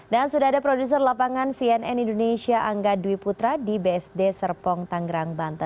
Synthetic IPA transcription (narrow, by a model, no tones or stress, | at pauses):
dansudaadapɾodus̬ərlapaŋansiɛnɛnindonesiaʔaŋɡaduiput̪ɾadibeɛsdesərpɔŋt̪aŋɡəɾaŋbant̪ə